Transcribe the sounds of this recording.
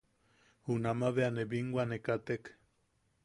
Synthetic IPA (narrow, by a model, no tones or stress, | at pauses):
hunamaβeanebiŋɡwanekat̪ek